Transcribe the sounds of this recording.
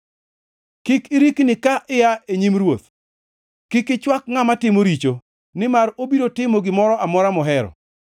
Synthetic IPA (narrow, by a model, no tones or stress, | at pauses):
kɪkɪɾiknɪkaʔɪjaeɲimɾwot̪̚ | kɪkɪt͡ʃwak̚ŋamatɪmoɾit͡ʃo | nɪmarobiɾotɪmoɡɪmɔɾɔʔamɔɾamɔɦɛɾɔ̰